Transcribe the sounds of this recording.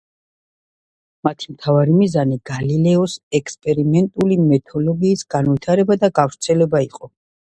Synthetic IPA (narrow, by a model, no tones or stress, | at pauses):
mat̪ʰimt̪ʰavaɾimizaniɡ̥alilɛɔsɛkʰspʼɛɾimɛnt̪ʼulimɛt̪ʰɔlɔɡiːsɡ̥anvit̪ʰaɾɛbad̪aɡavɾt̪sʰɛlɛbaiqʼɔ